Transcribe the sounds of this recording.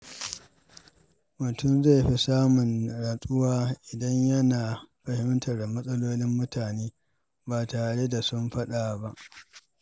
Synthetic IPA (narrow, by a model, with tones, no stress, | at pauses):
mʊ˨tʊ˦˨mze˦˨ɸi˦saː˦mʊ˨nɽaː˨sʼʊ˦waː˦ʔɪ˨dɐ˦ɲjɐ˦naː˨ɸɐ˨hɪ˦m˦tʰɐ˨rda˨mɐ˦sʼɐ˦loː˦nɪ˦mːʊ˦tʰaː˨neː˦ | baː˨taː˨ɽe˦da˨sʊ˦mɸɐ˦ɗa˨ba˦ʔ